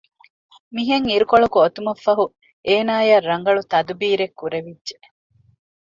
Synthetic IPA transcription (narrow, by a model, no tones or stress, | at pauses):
miɦeŋiɾukoɭɐkuot̪umɐfːɐɦu | eːnaːjɐrɐŋɡɐɭut̪ɐd̪ubiːɾekːuɾeʋidːʒe